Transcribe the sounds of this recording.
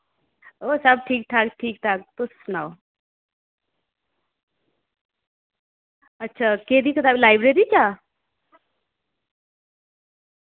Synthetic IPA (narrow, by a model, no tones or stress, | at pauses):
osab̚ʈʰik̚ʈʰakʈʰik̚ʈʰak̚t̪osnaw | ʌt̪ːsʰaked̪ikʌt̪abilajbɾeɾit͡sʰʌ